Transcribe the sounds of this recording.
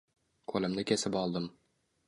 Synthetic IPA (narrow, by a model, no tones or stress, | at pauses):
kʰɵlɘ̆mnɘkʲæsɪpɒlˠd̪ɤm